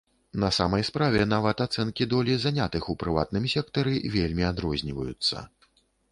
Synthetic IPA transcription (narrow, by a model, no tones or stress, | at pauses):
nɐsamɐjspɾavʲɛnavɐt̪at̪sɛnkʲid̪ɔlʲizanʲat̪ɨxupɾɨva̰t̪̚nɨmʲsʲɛkt̪ɐɾɨvʲelʲmʲiad̪ɾɔzʲnʲivɐjut̪sːɐ̰